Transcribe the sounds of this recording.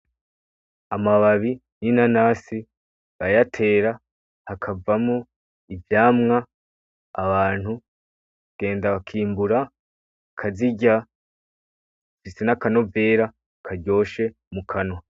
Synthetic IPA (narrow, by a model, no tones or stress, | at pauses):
amaβaβi | ninanasi | βajatʰe̞ːɾa | hakʰavamo | ivjaːmŋaː | βaːn̥hu | ɡ̥e̞ːndaβakʰiːmbuɾa | kʰaziɟa | fisenakano̞ve̞ːɾa | kʰaɟo̞ːʃe̞ | mukʰanwa